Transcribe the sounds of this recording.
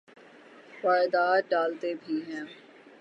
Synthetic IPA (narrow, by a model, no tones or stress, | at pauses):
faːɪd̪aːɖaːlt̪ebʱiɦɛ̃ː